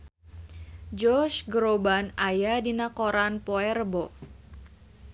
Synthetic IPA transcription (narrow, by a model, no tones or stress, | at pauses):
d͡ʒɔrt͡ʃɡɾobanajadinakoɾanpoɛrbɔ